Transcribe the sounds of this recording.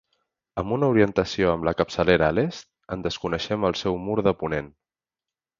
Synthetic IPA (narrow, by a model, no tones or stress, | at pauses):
əmbunəuɾiənt̪əsioəmləkəpsəleɾəːlest̪̚ | ənd̪əskunəʃɛməlˠsɛwmuɾðəpunen